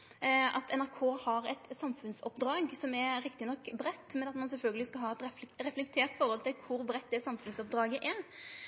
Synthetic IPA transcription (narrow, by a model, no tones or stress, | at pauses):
ɑt̪ʰɛnæɾkʰoːhɑɾɛt̪sɑmfʉnsɔpd̪ɾɑːɡsɔmɛɾɪkt̪ɪnɔkːbɾɛt̪ːmɛnɑt̪mɑnsɛlfœlɡəlɪskɑlɦɑːɛt̪ɾɛɾɛflɛk̚t̪ʰeːɾt̪ɪfɔɾɔlt̪ɪlkʰʊɾbɾɛt̪̚ːd̪ɛsɑmfʉnsɔp̚d̪ɾɑːɡəʔɛɾ